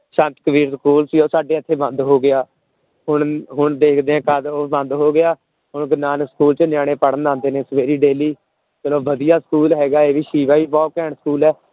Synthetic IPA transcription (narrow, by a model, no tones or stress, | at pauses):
sə̃nt̪kəʋiːɾskuːlsiːoːsaːɖeːət̪ʰːeːbə̃nd̪ɦoːɡɪaː | ɦʊɳɦʊɳd̪eːkʰd̪eːɛ̃ːkəd̪oːbə̃nd̪ɦoːɡɪjaː | ɦʊɳɡnaːnəkskuːlt͡ʃənɪjaːɽ̃ẽːpəɽənd̪ãːnd̪eːnẽːsəʋeːɾiːɖeːliː | kəloːʋəd̪ijaːskuːlɦɛːɡaːeːʋiːʃiːʋaːiːpaːokɛːɳskuːlɛː